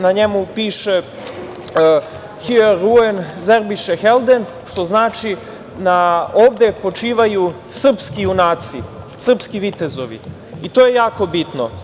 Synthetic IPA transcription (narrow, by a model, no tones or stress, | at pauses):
naɲe̞mupiːʃe̞ | xieɾuenzeɾbiʃexelˠd̪e̞n | ʃt̪o̞znaːt͡ʃi | nao̞ːʋd̪e̞po̞t͡ʃiːʋaju | sr̩pskiunaːt̪si | sr̩pskiʋit̪e̞zo̞ʋḭ | it̪oːje̞jaːko̞bit̪no̰